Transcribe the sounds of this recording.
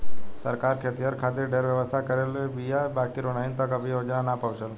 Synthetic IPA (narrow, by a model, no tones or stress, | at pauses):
səɾkaːɾkʰet̪ijəɾkʰaːt̪eɾɖʱeːɾʋjəʋəst̪ʰakəɾelebijabaːkiɾonaːint̪ɔkəbʱiɦod͡ʒnanapəʋʃəl